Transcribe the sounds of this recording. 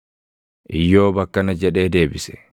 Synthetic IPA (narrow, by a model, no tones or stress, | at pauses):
ʔijːɔːbɐkːanad͡ʒɛɗɛːdeːbisɛ̥̰